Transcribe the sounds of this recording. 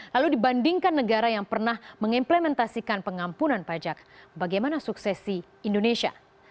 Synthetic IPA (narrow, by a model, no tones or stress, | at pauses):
laludibandiŋkanːəɡaɾajaŋpərnahməŋimplemɛnt̪asikanpəŋampunanpad͡ʒak̚baɡajmanasuksɛsi | indonesia̰